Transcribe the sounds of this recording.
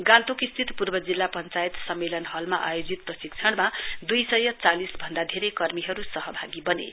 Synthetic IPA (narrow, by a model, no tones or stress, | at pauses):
ɡãnt̪ukist̪ʰit̪purbʌd͡zilːapʌnt͡sajit̪sʌmːelʌnɦʌlmaʔa̰jod͡zit̪̚prʌsik̚t͡sʰʌɽmad̪ujsʌjʌt͡salisbʱʌnd̪ad̪ʱeɾʌjkʌrmiɦʌɾusʌɦʌbʱaɡibʌnḛ